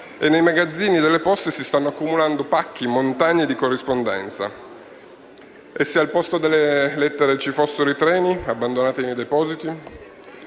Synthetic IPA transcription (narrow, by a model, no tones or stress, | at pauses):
enːejmaɡad̪zːiːnid̪elːepɔst̪esist̪anːoakːumuland̪opakːimont̪aɲːed̪ikorːispond̪ɛ̰nt̪sa̰ | esːialpɔst̪od̪elːelɛt̪ːeɾet͡ʃifosːeɾoit̪ɾɛːniabːand̪onaːt̪eimed̪epɔːzit̪i